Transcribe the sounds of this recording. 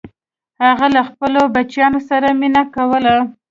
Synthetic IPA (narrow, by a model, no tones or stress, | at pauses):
haɣalaxpəlobat͡ʃjɑnosaɾaminakawəla